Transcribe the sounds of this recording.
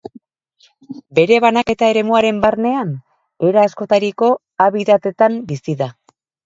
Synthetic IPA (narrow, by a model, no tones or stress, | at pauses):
be̞ɾe̞βanake̞t̪ae̞ɾe̞muaɾe̞mbarne̞an | e̞ɾaːsko̞t̪aɾiko̞ | aβiðat̪e̞t̪ambisiða